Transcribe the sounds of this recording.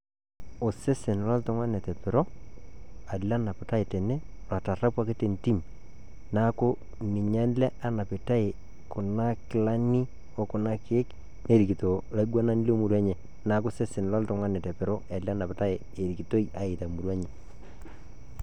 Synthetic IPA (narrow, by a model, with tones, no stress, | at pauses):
o˨se˦se˨n˨la˦ltʊ˦ŋwa˦ne˨tɛ˨pɪ˨ɾo˦ | a˨la˦na˨pɪ˨ta˦e˨tɛ˨ne˦la˨ta˨ra˦pwa˦ke˦te˨nti˦m | na˦ko˦ | nɪ˨ɲa˦n˦lɛ˦a˨na˨pɪ˨ta˦e˨ | kʊ˨na˦kɪ˨la˦ni˦ | o˦kʊ˨na˦kːk | ne˦˨ɾi˨ki˨to˨la˨˦ɡa˦na˦n˦lo˦mu˨ɾa˦ɲe˨ | na˦kʊ˦se˦sɪ˨n˨la˦ltʊ˨ŋwa˦ne˨tɛ˨pɪ˨ɾo˦e˨la˦na˨pɪ˨ta˦e˨ | e˨ɾi˨ki˨to˦i˦ʔa˨ɪ˨ta˨mu˨ɾwa˦ɲe˨